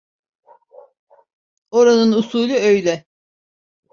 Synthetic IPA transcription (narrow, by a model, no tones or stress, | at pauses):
oɾanɯnusuːlʲˠuøjlʲɛ